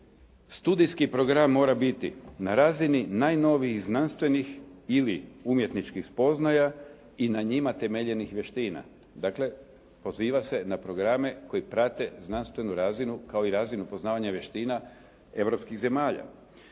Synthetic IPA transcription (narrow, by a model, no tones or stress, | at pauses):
st̪ud̪ijskipɾo̞ɡɾamːo̞ːɾabit̪ḭnaɾazininaːjno̞ʋixznanst̪ʋe̞nixiliumje̞t̪nit͡ʃkixspo̞znaja | inaɲimat̪e̞meʎe̞nixʋje̞ʃt̪iːna̰ | d̪akle̞ | po̞ziːʋase̞napɾo̞ɡɾame̞ko̞jipɾat̪e̞znanst̪ʋe̞nuɾazinukao̞iɾazinupo̞znaːʋaɲaʋje̞ʃt̪iːna | e̞ʋɾo̞pskiɣze̞maːʎa̰